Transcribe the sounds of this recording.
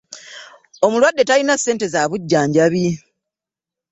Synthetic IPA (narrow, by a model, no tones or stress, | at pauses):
o̞mulwadːe̞talinasːe̞ːnte̞zaːβuɟːaːɲɟaβi